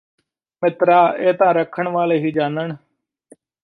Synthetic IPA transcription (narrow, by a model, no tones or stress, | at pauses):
mɪt̪ɾaːʔeːt̪ãːɾəkʰːəɳʋaːleːɦiːd͡ʒaːnəɳ